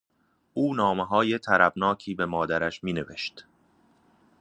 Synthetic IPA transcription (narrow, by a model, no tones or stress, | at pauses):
ʔuːnɒːmeɦɒːjet̪ʰæɾæbnɒːcʰiːbe̞mɒːd̪æɾæʃmiːne̞vḛʃt̪